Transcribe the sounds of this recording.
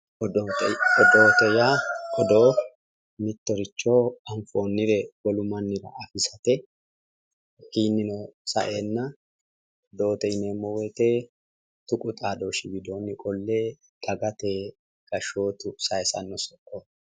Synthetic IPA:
ɔdot̪ɔd̪oːt̪ɛjaɔd̪oː | mɪt̪ːɔɾɪt͡ʃːoːɐɱfoːnːɪɾɛwɔlʊmɐnːɪɾɐ̰ɐfɪsɐt̪ɛ | hiːnːɪnɔsɐ̰ʔeːnːɐ | d̪oːt̪ɛjneːmːɔwɛt̪eː | t̪ʊkʼʊt̪ʼaːd̪oːʃɪbɪd̪oːnɪkʼɔlːeː | ɡɐɡɐt̪eː | ɡ̥ɐʃoːt̪ʊsɐjsɐ̰nːɔsɔkːɔ

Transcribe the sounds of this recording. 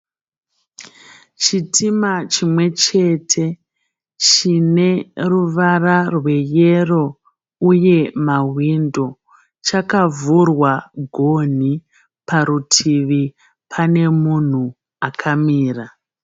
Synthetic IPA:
t͡ʃitʰimat͡ʃimwe̞t͡ʃe̞tʰe̞ | t͡ʃine̞ruʋararwe̞je̞ro̞ | uje̞maɦwindo̞ | t͡ʃakavurwaɡʱon̤i | paɾutʰiʋi | pʰane̞mun̤u | akʰamiːra

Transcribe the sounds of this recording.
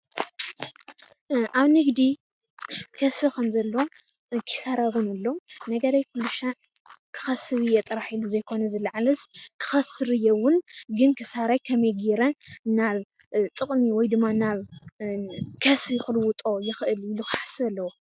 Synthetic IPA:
ʔaβnɨɡd̪i | kʰɐsfikʰɐmzɐlːo | kʰɨ̥saɾaβunɨlːo̞nɐɡɐɾajkʰulɨʃa | kʰɨ̥xɐsɨβɨjɛt̪ʼɨɾaħiluzɐjkʰo̞nɐzɨlːaʕalɐskʰɨ̥xɐsɨɾɨjɛwʊnɡɨnkʰisaɾajkʰɐmɐjɡiɾɐnaβ | t̪ʼɨkʼmiwɔjd̪ɨmːanaβ | kʰɐsfjɪxɨlwʊt̪ʼo̞jɪxɨʔɨlɪlukḁħḁsɨβɐlːɐwo

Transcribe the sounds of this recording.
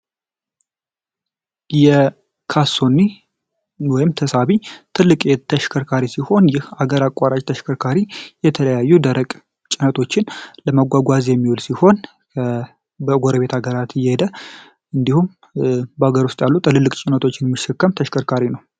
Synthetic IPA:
jɛ | kʰaso̞nːi | wɔjɪmt̪ʰəsaβit̪ʰɨlːɨkʼet̪ʰəʃkʰəɾkʰaɾisiho̞njɪhaɡəɾakʼːaɾat͡ʃʼt̪ʰəʃkʰəɾkʰaɾijɛt̪ʰələjajːud̪əɾəkʼ | t͡ʃʼɪnət̪ʰo̞t͡ʃːɪnləməɡʷaɡʷazjɛmːiwolsiho̞n | bəɡoɾəβe̞t̪ʰaɡəɾat̪jːɛhed̪ə | ɨnd̪ihum | baɡəɾwust̪ʼjalːut̪ʼɨlɨlːɨkʼt͡ʃʼɪnət̪ʰo̞t͡ʃːɪnmːɨʃːɛkːəmt̪ʰəʃkʰəɾkʰaɾinəw

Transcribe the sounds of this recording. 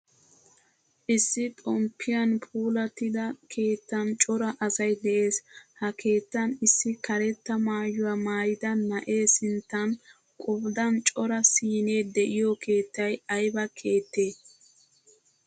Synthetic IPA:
ʔɪsːɪt̪ʼɔmpʰːɪjɐnpʰʼuːlɐt̪ɪd̪ɐkʰe̞ːt̪ːɐnt͡ʃʼɔɾɐʔɐsɐjd̪ɛʔe̞ːshɐkʰe̞ːt̪ːɐnɪsːɪkɐɾɛt̪ːɐmaːjʊwamaːjɪd̪ɐnɐʔe̞ːsɪnt̪ːɐn | kʼʊbd̪ɐnt͡ʃʼɔɾɐsiːne̞ːd̪ɛʔɪjɔkʰe̞ːt̪ːɐjɐjbɐkʰe̞ːt̪ːe̞ː

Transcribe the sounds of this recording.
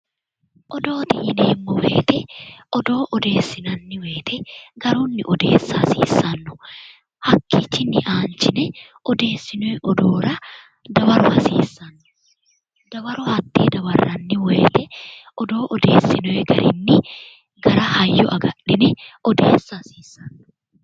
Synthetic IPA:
ʔɔd̪o̞ːt̪ɪjɪneːmːɔwḛːt̪ɛɔd̪o̞ːʔɔd̪e̞ːsːɪnɐnːɪwe̞ːt̪ɛɡɐɾuːnːɪʔɔd̪e̞̰ːsːɐɐsḭːsːɐnːʊ̥ | hɐkːiːt͡ʃːɪnːɪʔaːnt͡ʃɪnɛʔɔd̪e̞ːsːɪnʊɛʔɔd̪oːɾɐ | d̪ɐwɐɾʊhɐsḭːsːɐnːɔ̥ | d̪ɐwɐɾʊhɐt̪ːḛːd̪ɐwɐrːɐnːɪweːt̪ɛɔd̪o̞ːʔɔd̪e̞ːsːɪnʊɛɡɐ̰ɾɪ̰nːɪ | ɡɐɾɐhɐjːɔʔɐɡɐᶑːɪnɛʔɔd̪eːsːɐsiːsːɐnːɔ̥

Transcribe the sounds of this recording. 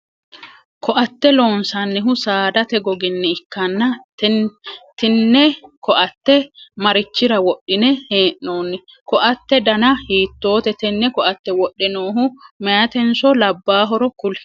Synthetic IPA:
kɔʔɐt̪ːɛloːnsɐnːɪɦʊsaːd̪ɐt̪ɛɡɔɡɪnːɛɪkːɐnːɐ | t̪ɪnːɛkɔʔɐt̪ːɛmɐɾɪt͡ʃːɪɾɐwɔɗːɪnɛheːʔːoːnːɛ | kɔʔɐt̪ːɛd̪ɐnɐhiːt̪ːo̞ːt̪ɛt̪ɛnːɛkɔʔɐt̪ːɛwɔɗːɛnoːɦʊmɛjɐt̪ɛnsɔlɐbːaːɦɔɾɔkʊl

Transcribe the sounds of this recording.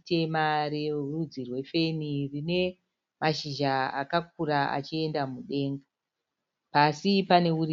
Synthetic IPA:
te̞mare̞rud͡zirwe̞fe̞nirine̞ | maʃiʒaa̰kak̚uɾaa̰t͡ʃie̞ndamuɗe̞ːŋɡa | pasipane̞ur

